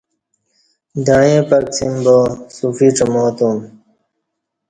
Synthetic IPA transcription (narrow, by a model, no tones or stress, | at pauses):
d̪aːjẽːpək̚sʰimbosufiːʈ͡ʂəmoːt̪um